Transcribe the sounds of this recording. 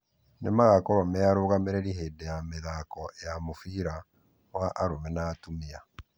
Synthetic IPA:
nemaɣakɔɾɔmɛaɾoːɣameɾeɾiɦeːdɛjameðaːkɔjamofiːɾa | waʔaɾomɛnaːtumea

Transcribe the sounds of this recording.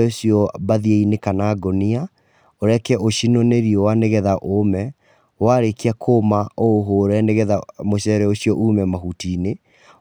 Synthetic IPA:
oɕiɔbaðieinekanaɡonia | oɾɛkɛʔoɕinoneɾiɔwaneɣɛðaʔomɛ | waɾekiakʰoːmaoːɦoɾɛneɣɛðamoɕɛɾɛoɕiɔʔumɛmaɦutiːne

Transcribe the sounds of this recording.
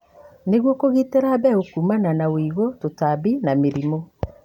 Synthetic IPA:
neɣwokoɣiteɾabɛokumananawiːɣototabinameɾimo

